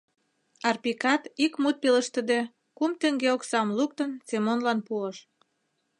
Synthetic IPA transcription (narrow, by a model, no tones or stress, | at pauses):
ɑrpikɑt̪ikmut̪̚peləʃt̪ə̆d̪e | kumt̪ə̆ŋɡeoksɑmluk̚t̪ənsemonlɑnpuəʃ